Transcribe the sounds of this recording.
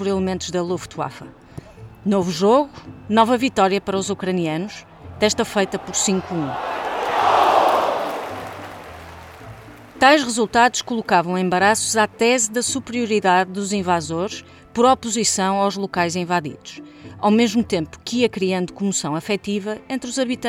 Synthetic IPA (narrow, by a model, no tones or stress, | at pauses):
pɔɾilˠɨmẽnt̪uʒðɐlˠoft̪wa̰fɐ | novuʒoɣunɔvɐvit̪ɔɾjɐpɐɾɐɔzukɾɐniɐnuʃ | t̪ɛʃt̪ɐfɐjt̪ɐpɔɾsĩŋkũ | t̪ajʃʁɨzulˠt̪aðuʃkulˠukavɐ̃w̃ẽmbɐɾasuzat̪ɛzðɐsupɾiuɾiðaðːuzĩvazoɾʃ | pɔɾɔpuzisɐ̃w̃awʒlˠukajzĩvaðḭðuʃ | awmeʒmut̪ẽmpu̥kiɐkɾiɐ̃nd̪ukumusɐ̃w̃ɐfɛt̪ivɐẽnt̪ɾuzɐβit̪ɐ̃